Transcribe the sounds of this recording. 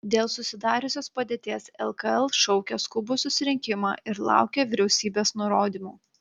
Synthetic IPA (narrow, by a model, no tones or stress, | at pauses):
d̪ʲeːlˠsʊsʲɪd̪ɑːɾʲʊsʲoːspɐd̪ʲeːt̪ʲeːsɛlˠkɐɛlˠʃɔʊkʲɛskʊbʊsʊsʲɪɾʲɪŋʲkʲɪmɑːʔɪɾlˠɑ̰ˑʊkʲeʋʲɪɾʲɛʊsʲiːbʲeːsnʊɾoːd̪ʲimuː